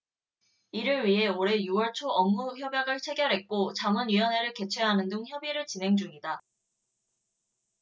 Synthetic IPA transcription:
iɾɯɭɥiɦe̞oɾe̞juwʌɭt͡ɕʰoʌmːuçjʌbjʌɡɯɭt͡ɕʰeɡjʌɾɦe̞t̚k͈ot͡ɕamʌnɥiʌnɦe̞ɾɯɭke̞t͡ɕʰeɦanɯndɯŋçjʌbiɾɯɭt͡ɕinɦe̞ŋd͡ʑuŋida

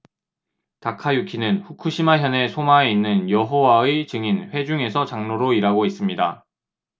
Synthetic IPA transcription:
takʰajukʰinɯnɸukʰuɕʰimaɦjʌne̞sʰomaeinːɯnjʌɦowaet͡ɕɯŋinɸwe̞d͡ʑuŋe̞sʰʌt͡ɕaŋnoɾoiɾaɡois͈ɯmɲida̰

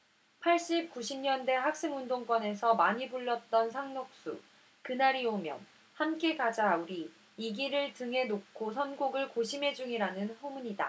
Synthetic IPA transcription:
pʰaɭɕ͈ip̚k͈uɕʰimɲʌnde̞hak̚s͈eŋundoŋk͈wʌne̞sʰʌmaɲibuɭːʌt̚t͈ʌnsʰaŋnok̚s͈ṵ | kɯnaɾiomjʌ̰n | hamk͈e̞kad͡ʑauɾi | iɡiɾɯɭtɯŋɦe̞nokkʰosʰʌnɡoɡɯɭkoɕʰimɦe̞d͡ʑuŋiɾanɯnsomuɲida̰

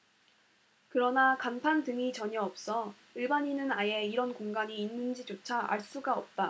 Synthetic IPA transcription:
kɯɾʌnakanpʰandɯŋit͡ɕʌɲʌʌp̚s͈ʌ | ɯɭbaɲinɯnaje̞iɾʌnkoŋɡaɲiːnːɯnd͡ʑit͡ɕot͡ɕʰaʔa̰ɭs͈uɡaʌp̚t͈a

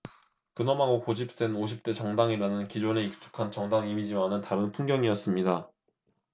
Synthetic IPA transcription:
kɯnʌmaɡokod͡ʑʰip̚s͈e̞noɕ̬ʰip̚t͈e̞t͡ɕʌŋdaŋiɾanɯnkid͡ʑone̞ik̚s͈ʰu̥kʰant͡ɕʌŋdaŋimid͡ʑianɯntaɾɯnpʰuŋɡjʌŋijʌs͈ɯmɲida

